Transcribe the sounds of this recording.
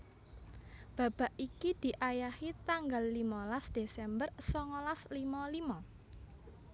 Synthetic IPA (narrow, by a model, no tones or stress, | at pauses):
b̥ä̤b̥a̤ʔikid̪̥i̤ʔajahit̪aŋɡalːimɔlasd̪̥esɛmbərsɔŋɔlaslimɔlimɔ